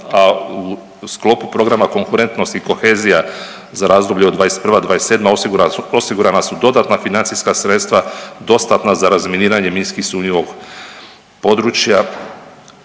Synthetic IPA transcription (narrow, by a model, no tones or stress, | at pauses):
au | sklˠo̞pupɾo̞ɡɾamako̞ŋkuɾe̞nt̪no̞st̪iko̞xeːzija | zaɾaːzd̪o̞bʎeod̪ʋaːjest̪pr̩ʋad̪ʋaːjest̪ːe̞ːd̪maosiɡuɾaosiɡuɾanasud̪o̞d̪at̪nafinant̪iskasɾe̞t̪st̪ʋad̪o̞st̪at̪nazaɾazmʲjeniːɾaɲe̞minskihsuːɲoʋo̞ɡ | po̞d̪ɾut͡ʃja